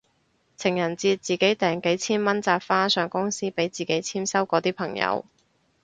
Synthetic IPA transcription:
t͡sʰɪ˨˩ŋjɐ˨˩nt͡siː˧t͡siː˨˩ke˨˥jt̪ɛː˨˩ŋke˨˥jt͡sʰiː˥nmɐ˥nt͡saː˧p̚faː˥sœː˨˧ŋkʊ˥ŋsiː˥pe˨˥jt͡siː˨ke˨˥jt͡sʰiː˥msɐ˥wkɔː˨˥t̪iː˥pʰɐ˨˩ŋjɐ̰˨˧w

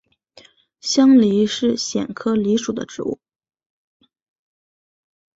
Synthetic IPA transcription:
ɕjɑ˥ŋli˧˥ʂɻ̩˥˩ɕjɛ˨˩nkʰɤ˥li˧˥ʂu˨˩d̪ə̰˦ʈ͡ʂɻ̩˧˥ṵ˥˩

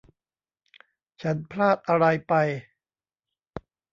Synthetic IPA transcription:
t͡ɕʰa˦˥npʰlaː˥˩t̪̚ʔa˧ɾa˧jpa˧j

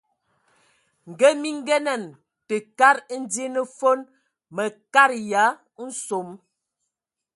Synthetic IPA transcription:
ŋ̩˨ɡə˦mi˦ŋ˦ɡɛ˦nɛ˨n | tə˨ka˦ɾn̩˦dje˦nə˦fo˦n | mə˨ka˦ɾja˨˦ | n̩˦so˨m

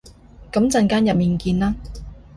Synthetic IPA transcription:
kɐ˨˥mt͡sɐ˧nkaː˥njɐ˨p̚miː˨nkiː˧nlaː˥

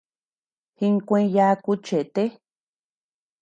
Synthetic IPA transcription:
hi˧ŋ˦kʷẽ˧˦ja˧˦˧ku˦t͡ʃe˨t̪e˦

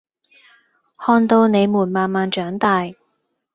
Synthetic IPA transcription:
hɔː˧nt̪o˧wne˨˧jmuː˨˩nmaː˨˩nmaː˨˧nt͡ʃœː˨˥ŋt̪aː˨j

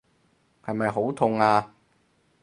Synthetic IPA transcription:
hɐ˨jmɐ˨jɦo˨˥wt̪ʰʊ˨˧ŋaː˧

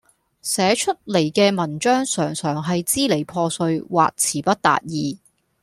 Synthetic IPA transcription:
sɛː˨˥t͡ʃʰɵ˥t̚le˨˩jkɛː˧mɐ˨˩nt͡ʃœː˥ŋsœː˨˩ŋsœː˨˩ŋɦɐ˨jt͡siː˥le˨˩jpʰɔː˧sɵ˧ɥwa̰ː˨k̚t͡sʰiː˨˩pɐ˥t̚t̪a̰ː˨t̚jiː˨˧

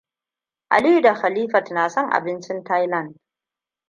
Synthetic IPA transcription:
ʔa̰˨lɪ˦ju˨da˨xa˨liː˦fa˨tnaː˨sɔ˦ŋʔa̰˨bɪ˦nt͡ʃɪ˦nta˦jlɐ˦˨nd̚

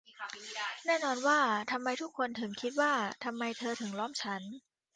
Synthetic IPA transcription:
nɛː˥˩nɔː˧nwaː˥˩t̪ʰa˧mːa˧jt̪ʰu˦˥kʰːo˧nt̪ʰɯ˩˦ŋkʰi˦˥t̪̚waː˥˩t̪ʰa˧mːa˧jt̪ʰɤː˧t̪ʰɯ˩˦ŋlɔː˦˥˩mt͡ɕʰa˦˥n

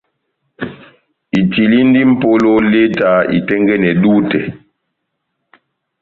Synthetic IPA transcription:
i˨ti˨li˦n˦di˦m̩˦˨po˦lo˦le˦ta˨˦ḭ˨tɛ˦ŋɡɛ˦nɛ˨duː˦tɛ˨

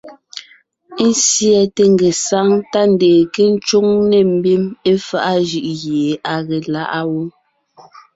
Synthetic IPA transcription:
n̩˦sjɛ˨te˨ŋ˨ɡe˨sa˦ŋta˦n̩˨deː˨ke˦n̩˦t͡ʃu˦ŋne˨m̩˦bi˦me˦fa˦ʔa˦ʒɯ˨ʔɣje˨a˨ɣe˨la˦ʔa˦wu˦

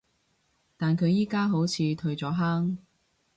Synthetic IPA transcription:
t̪aː˨nkʰɵ˨˧ɥjiː˥kaː˥ɦo˨˥wt͡sʰiː˨˧t̪ʰɵ˧ɥt͡sɔː˨˥ɦaː˥ŋ

